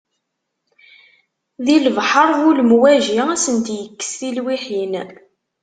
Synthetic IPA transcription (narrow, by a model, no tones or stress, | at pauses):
ðiləvħəɾˤvulmwæʒiæsənt̪jəkːə̥sθilwiħin